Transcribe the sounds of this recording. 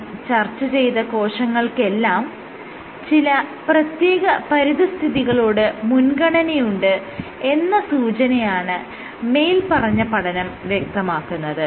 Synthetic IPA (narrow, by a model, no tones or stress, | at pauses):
t͡ɕɐrt͡ɕːɐt͡ɕe̞jt̪ɐko̞ːʂɐŋːɐɭke̞lːaːm | t͡ɕilɐprɐt̪je̞ːɣɐpɐɾiðɐst̪ʰiðiɣɐɭoːɽɨmunɡɐɳɐnejuɳɖɨe̞nːɐsuːt͡ɕɐnɐjaːɳɨ | me̞jlpɐrɐɲːɐpɐɽɐnɐmʋjek̚t̪ɐmaːkːunːɐðɨ